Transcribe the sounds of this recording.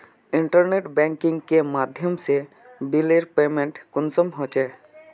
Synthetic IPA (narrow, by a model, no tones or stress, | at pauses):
iɳʈaɾneʈbɛŋkiŋkemad̪ʱjomʃe | bileɾpemeɳʈkonsɔmɦot͡ɕʰe